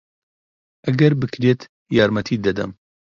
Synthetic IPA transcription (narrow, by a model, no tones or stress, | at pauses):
ʔɐɡɐɾbɨkɾeːt̪ | jɑːɾmɐt̪ʰiːd̪ɐd̪ɐ̰m